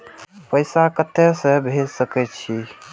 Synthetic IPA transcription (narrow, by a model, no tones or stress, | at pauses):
pəɪsakət̪ːesə̃bʱed͡ʒsəkɛt͡ʃʰi